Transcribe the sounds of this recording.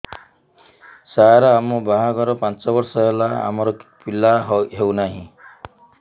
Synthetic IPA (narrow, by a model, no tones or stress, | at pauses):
saɾaamɔbaɦaɡɔɾɔpant͡sɔbɔɾsɔɦelaa̰mɔɾɔkpilaɦɦewnaɦĩ